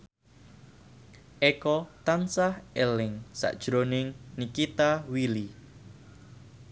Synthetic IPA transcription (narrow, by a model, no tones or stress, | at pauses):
ʔɛkɔt̪ansahɛlɪŋsa̰ʔd̥ʒ̥ɾonɪŋnikit̪awili